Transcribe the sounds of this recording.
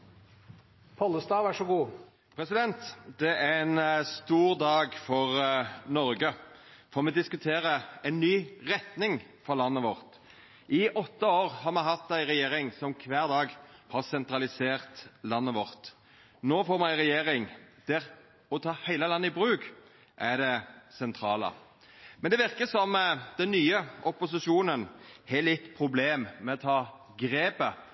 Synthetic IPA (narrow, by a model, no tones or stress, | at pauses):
pʰɔləst̪ɑːʋæʂɔɡuː | pʰɾɛsɪd̪ɛnt̪d̪̥ɛʔæɾɛnst̪uːʁd̪ɑːɡfɔʁnɔɾɡəfɔʁmɛd̪ɪskʉt̪ʰeːɾəæɪnːyːʁɛt̪nɪŋfɔɾlɑnːəʋɔʁt̪ | ʔɪʔɔt̪ːəoːʁhɑɾmɛɦɑt̪ːæɪɾɛjeːɾɪŋsɔmkʰʋæːʁd̪ɑːɡhɑɾsɛnt̪ɾɑlɪseːɾt̪lɑnːəʋɔɾt̪ | noːfoːɾmɛɪɾɛjeːɾɪŋd̪̥ɪɾ | ɔt̪ʰɑːhæɪləlɑnːəɪbɾʉːɡ | ʔæɖ̪ɛsɛnt̪ʰɾɑːlə̰ | mɛnd̪ɛʋɪɾkəsɔmd̪̥ɛnnːyːəʔɔpʊsɪʃuːnənhɛlɪt̪ːpʰɾʊbleːmmɛɔt̪ʰɑː | ɡɾeːbə